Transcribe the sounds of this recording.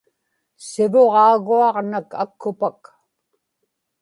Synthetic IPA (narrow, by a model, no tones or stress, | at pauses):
sɪvoʁɑːɣuɑʁnaka̰kʰːʊpak